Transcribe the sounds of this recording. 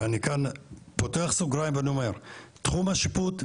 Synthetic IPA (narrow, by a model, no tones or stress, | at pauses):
anikanpot̪oaχsuɡɾajmbənumeɾt̪χumaʃiput̪